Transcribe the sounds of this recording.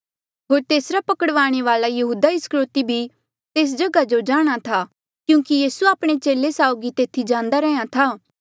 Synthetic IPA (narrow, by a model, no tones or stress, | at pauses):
ɦoːɾt̪eːsɾapɐkəɽʋaːɽ̃eʋaːlajɐɦuːd̪aɪskɾoːt̪ibʱi | t̪eːs̬d͡ʒɐɡad͡ʒod͡ʒaːɽ̃at̪ʰa | kjũːkijiːsuaːpɽ̃et͡ʃeːlesaːʊɡit̪eːt̪ʰid͡ʒãːnd̪aɾɛãt̪ʰaː